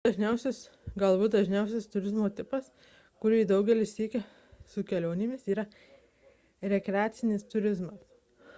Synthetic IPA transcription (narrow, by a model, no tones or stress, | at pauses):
d̪̥ɐʒʲnʲɛʊsʲʊs | ɡɐlˠbut̪d̪ɐʒʲnʲɛˑʊsʲɛst̪ʊɾʲɪzmoːt̪ʲɪpɐs | kʊɾʲɪd̪ɐʊɡʲɛlʲɪʃʲsʲiːkʲɛ | sʊkʲɛlʲoːnʲɪmʲɪsiːɾɐ | ɾʲɛkɾʲɛaːt̪sʲɪnʲɪst̪ʊɾʲɪzmɐs